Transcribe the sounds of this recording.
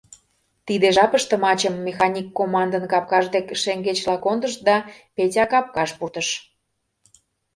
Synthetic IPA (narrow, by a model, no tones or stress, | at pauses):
t̪id̪eʒɑpəʃt̪ə̆mɑt͡ɕəmːexɑnʲikːomɑnd̪ə̆nkɑp̚kɑʒd̪ekʃeŋɡet͡ɕlɑkond̪əʃd̪ɑpetʲɑkɑp̚kɑʃpurt̪əʃ